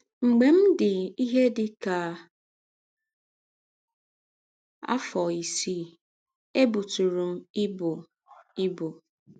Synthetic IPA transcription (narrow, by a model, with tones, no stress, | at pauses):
ŋ͡m̩˨ɡ͡be˨m̩˦dɪ˨i˦ɦe˦dɪ˨ka˨ | a̰˦fɔ˨i˨siː˦ | e˦bu˨tu˨ɾu˨m̩˦ɪ˦bʊ˨ | ɪ˦bo˨